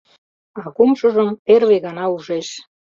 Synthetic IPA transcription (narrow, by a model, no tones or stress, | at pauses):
ɑkumʃə̆ʒəmperβeɣɑnɑuʒeʃ